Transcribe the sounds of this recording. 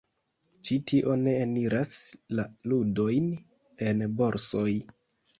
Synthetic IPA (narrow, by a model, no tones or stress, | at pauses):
t͡ʃitʰiʔo̞ne̞ːniɾaslaludo̞jn | e̞nbo̞ɾso̞j